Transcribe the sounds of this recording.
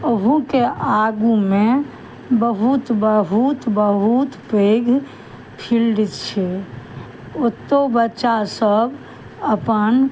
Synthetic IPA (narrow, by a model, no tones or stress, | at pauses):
oɦukeʔaɡumẽ | bəɦut̪bəɦut̪bəɦut̪peɡʱ | pʰilɖit̪t͡ʃʰe | ot̪ːobətːʃasəb | əpən